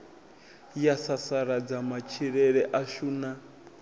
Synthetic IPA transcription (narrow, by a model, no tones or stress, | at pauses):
jasasaɾad͡zamat͡ʃʰiɾɛɺɛʔaʃuːna